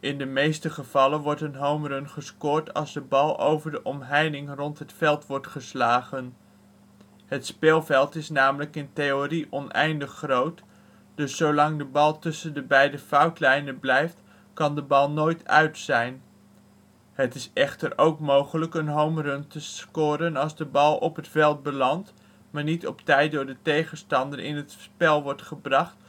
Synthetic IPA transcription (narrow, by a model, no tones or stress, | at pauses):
ʔɪndəmejstəχəv̥ɑlənʋɔɹtənɦowmrɵnχəskʊːɹtɑ̰lˠzdəbɑlˠo̰wvəɹdəʔɔmɦɛjdɪŋrɔntɦətfɛlˠtʋɔɹtχəslaːχən | ɦətspɪːlˠvɛlˠtɪsnaːmələkɪntejoriʔɔnʔɛ̰jndəχːrowt | d̥ɵsːowlɑŋdəbɑlˠtɵsəndəbɛjdəfɑwtlɛjnənblɛjft | kɑndəbɑlˠnojtœ̰ɥtsɛjn | ɦətɪsɛχtəɾowkmowχələkənɦowmrɵntəskʊːɾənɑlˠzdəbɑlˠɔpɦətfɛlˠt̚bəlɑnt | maːɹnitɔptɛjt̚dʊːɹdətejχənstɑndəɾʔɪ̰nɦətspɛlˠʋɔɹtχəbrɑχt